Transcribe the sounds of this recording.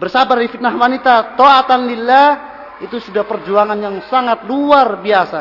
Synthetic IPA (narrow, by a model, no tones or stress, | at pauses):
bərsabardifit̪̚nahwanit̪at̪oat̪anlila | it̪usudahpərd͡ʒuaŋanjaŋsaŋat̪̚luarbiasa